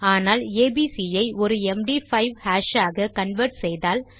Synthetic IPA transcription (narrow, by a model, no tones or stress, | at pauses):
aːnaːleːbisijɐɪɔɾɯɛmɖifɐɪʋhaːʂaːɣɐkɐɳʋɐɾʈsɛjðaːl